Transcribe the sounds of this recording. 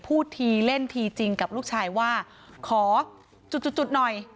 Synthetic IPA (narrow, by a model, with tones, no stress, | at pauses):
pʰuː˥˩t̪ʰiː˧le˥˩nt̪ʰiː˧t͡ɕi˧ŋka˨˩p̚luː˥˩k̚t͡ɕʰaː˧jwaː˥˩ | kʰɔː˩˦ | t͡ɕu˨˩t̪̚t͡ɕu˨˩t̪̚ːt͡ɕu˨˩t̪̚nɔ˨˩j